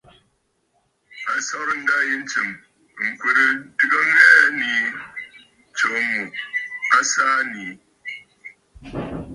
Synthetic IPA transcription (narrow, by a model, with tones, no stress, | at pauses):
a˨sa˦ɾɨ˦n̩˦da˦je˦n̩˦tɨ˨m | ŋ̩˨kwə˨ɾə˦dɨ˦kə˦ŋɛ˦ni˨ | t͡ʃo˨mu˨a˦sa˦ni˨